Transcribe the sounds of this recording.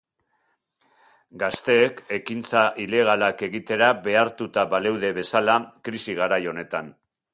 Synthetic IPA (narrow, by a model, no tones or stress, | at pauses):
ɡast̪e̞ːke̞kint͡saʔile̞ɣ̞alake̞ɣit̪e̞ɾaβe̞aɾt̪ut̪aβale̞wðe̞βe̞salakɾisiɣ̞aɾajo̞ne̞t̪an